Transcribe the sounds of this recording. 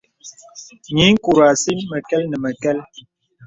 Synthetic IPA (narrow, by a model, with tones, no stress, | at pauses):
ɲi˨˦ŋ̩˦ku˨ɾa˨si˦mə˨kɛ˦lnə˨mə˨kɛ˦l